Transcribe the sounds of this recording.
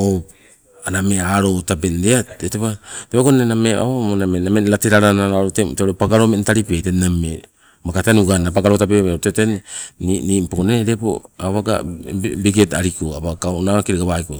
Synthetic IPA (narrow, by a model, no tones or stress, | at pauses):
o | anameaɾo̞tabendeatetepateβaɡonenamea̰monamenamelateɾaɾanaaɾoteteoɾepaɡaɾo̞mentaɾipetename | makateanuɡanapaɡaɾotapeotetenninipokoneɾepo̰aβaɡa̰biɡetaɾikoaβakaonaakiɾeɡaβaiko